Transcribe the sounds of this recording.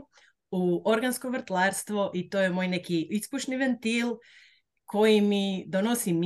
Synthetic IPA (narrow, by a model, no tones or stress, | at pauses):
uoɾɡanskoʋr̩ɾt̪lˠaːɾst̪ʋoʔit̪ojemo̞ːjnekiispuʃniʋent̪il | kʰo̞jimid̪onosim